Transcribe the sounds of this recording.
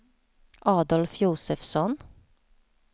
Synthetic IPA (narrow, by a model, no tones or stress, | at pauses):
ʔɑːd̪ɔlfjuːsəfsɔn